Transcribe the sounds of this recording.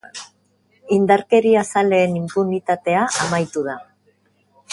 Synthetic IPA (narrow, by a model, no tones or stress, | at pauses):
ind̪aɾke̞ɾiasale̞ːnimpunit̪at̪e̞aʔamajt̪uð̞a